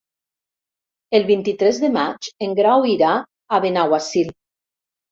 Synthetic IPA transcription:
elˠβint̪it̪ɾezðemat͡ʃeŋɡɾawiɾaː | βenawasil

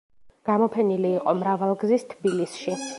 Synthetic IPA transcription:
ɡ̥amɔpʰɛniliːqʼɔmɾavalˠɡzist̪ʰbilisʃi

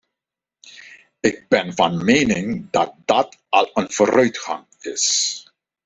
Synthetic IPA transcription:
ɪɡ̚bɛnvɑnmeːnɪŋdɑt̚dɑtɑlˠənv̥oːɾœɥtxɑ̰ŋ | ɪs

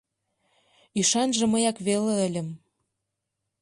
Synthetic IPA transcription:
yʃɑnʒɤ̆məjɑkβeleə̆lʲə̆m

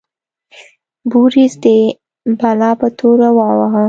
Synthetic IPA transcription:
buɾizd̪e | balɑpat̪ʰoɾawɑwaɦa

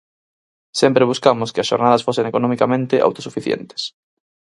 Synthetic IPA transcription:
sempɾeβ̞uskamoskeasʃoɾnað̞ɐsfoseŋekonõmikamẽnt̪eʔa̰wt̪osufiθjḛnt̪e̥s

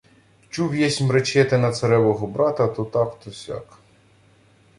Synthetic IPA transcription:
t͡ʃuʋʲjɛsʲmɾet͡ʃɛt̪ɛnɐt̪sɐɾɛʋɔɦɔbɾɑt̪ɐt̪ɔt̪ɑkt̪ɔsʲa̰k

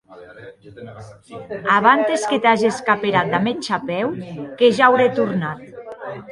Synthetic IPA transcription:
aβant̪esket̪aʒeskapeɾat̪̚d̪amet͡ʃapɛwkeʒawɾet̪uɾnat̪̚

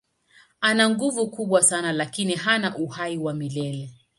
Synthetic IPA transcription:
anaŋɡuvukuɓwasanalakiniɦanaʔuhaiwamilɛlɛ

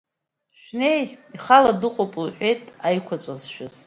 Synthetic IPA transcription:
ʃᶣnejiχaladɨqʷʼopʼlħʷᶣe̞jtʼajkʷʰat͡sʷʼazʃᶣʊz

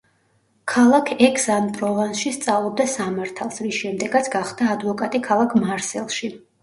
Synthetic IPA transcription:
kʰalˠakʰɛkʰsanpʼɾɔvansʃist̪sʼavlˠɔb̚d̪asamaɾt̪ʰalˠsɾisʃɛmd̪ɛɡat̪sʰɡaχd̪aːd̪vɔkʼat̪ʼikʰalˠakʰmaɾsɛlˠʃi

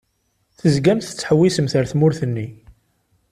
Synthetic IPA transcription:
θəzɡæmθə̥t͡sːħəwːisəmθəɾθmʊɾθənːi

